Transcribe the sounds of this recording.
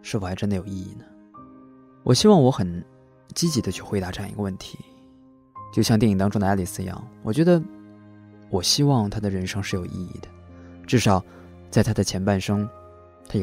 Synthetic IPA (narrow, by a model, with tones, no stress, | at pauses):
ʂɻ̩˥˩fwʈ͡ʂnd̪ə˩jo˨˩ʊi˥˧i˥˩nə˩ | wʔɔ˨˩ɕi˥wɑ˥˩ŋwɔ˧˥xə˨˩n | t͡ɕi˥t͡ɕi˧˥d̪ə˧t͡ɕʰy˥˩xwe˧˥ɪt̪a˧˥ʈ͡ʂɤ˥˧jɑ˨ŋḭ˧˥ɡə˧wə˥˩nt̪ʰi̥˧˥ | t͡ɕjo˥˧ʊɕjɑ˥˧ŋt̪ɛ˥˩i˨˩t̪ɑ˥ŋʈ͡ʂʊ˥ŋd̪ə˧˩ja˥li˨˩sɹ̩˥˩˧i˧˥ɑ̰˥˩ŋwʔɔ˨˩t͡ɕɥɛ˧˥d̪ə˧ | wɔ˨˩ɕi˥wɑ˥˩ŋt̪ʰa˥d̪ə˨ɻə˧˥nʂɤ˥ŋʂɻ̩˥˩jo˨˩ʊʔḭ˥˧ḭ˥˩d̪ə̥˩ | ʈ͡ʂɻ̩˥˩ʂɑ˨˩ʊ | t͡sa˥˩ɪt̪ʰa˥d̪ə˨t͡ɕʰjɛ˧˥npa˥˩nʂɤ˥ŋ | t̪ʰa˥jo˨